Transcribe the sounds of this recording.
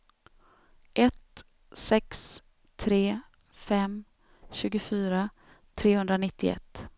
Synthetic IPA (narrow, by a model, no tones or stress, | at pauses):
ʔɛt̪ | sɛks | t̪ʰɾeː | fɛm | ɕʉ̟ːɡʊfyːɾa | t̪ʰɾeːhɵnd̪ɾanɪt̪ʰːɪɛ̰t̪ː